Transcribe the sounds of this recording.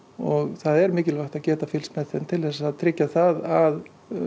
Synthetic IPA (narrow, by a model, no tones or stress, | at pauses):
ɔɣθaðɛɾmɪːcɪlvajxt̪aðcɛːt̪afɪlsmɛθɪnt̪ʰɪlðɛsaðt̪ʰɾɪcːaθaðað